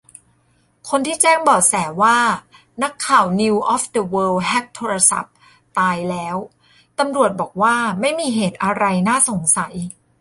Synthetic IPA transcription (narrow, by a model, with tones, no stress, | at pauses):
kʰo˧nt̪ʰiː˥˩t͡ɕɛː˥˩ŋbɔː˨˩k̚sɛː˩˦waː˥˩ | na˦˥kʰːaː˨˩wni˧wʔɔː˦˥fdə˧wɤː˧lɦɛ˦˥k̚t̪ʰoː˧ɾa˧sa̰˨˩p̚ | t̪aː˧jlɛː˦˥w | t̪a˧mɾu˨˩ət̪̚bɔː˨˩k̚waː˥˩ma˥˩jmiː˧ɦeː˨˩t̪̚ʔa˧ɾa˧jnaː˥˩so˩˦ŋsa˩˦j